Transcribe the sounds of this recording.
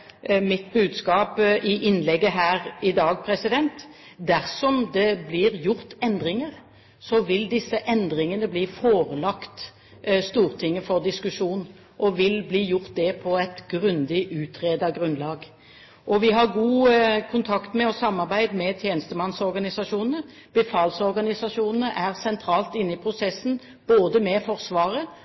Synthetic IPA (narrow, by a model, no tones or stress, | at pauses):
mɪt̪bʉːd̪skɑːpɪʔɪnlɛɡːəɦæːɾɪd̪ɑːɡpʰɾɛsɪd̪ɛnt̪d̪æɾsɔmd̪ɛblɪːɾjʊɾt̪ɛnd̪ɾɪŋəɾ | sɔʋɪld̪ɪsːəʔɛnd̪ɾɪŋənəbliːfoːɾəlɑkt̪ | st̪uːʁt̪ʰɪŋːəfɔɾd̪ɪskʉʂuːn | ʔɔʋɪlbliːjʊʁt̪̚d̪ɛpʰɔɛt̪ɡɾʉnd̪ɪʔʉːt̪ʰɾeːd̪ɑɡʁʉnlɑːɡ | ʔɔʋɪɦɑʁɡuːkʰʊnt̪ʰɑkt̪mɛɔsɑmːɑʁbæɪd̪mɛt̪ʰjeːnəst̪əmɑnsɔɾɡɑnɪsɑʂuːnnə | b̥əfɑːlsɔɾʁɡɑnɪsɑʂuːnənəʔæʁsɛnt̪ʰɾɑːlt̪ɪnːɪpʰɾʊsɛsːn̩ | b̥oːd̪əmɛfɔɾsʋɑːʁə